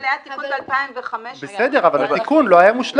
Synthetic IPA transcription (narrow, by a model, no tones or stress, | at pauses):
leat̪ikunbalpaimveχameʃbesed̪e̞ʁavallat̪ikunlo̞ajamuʃl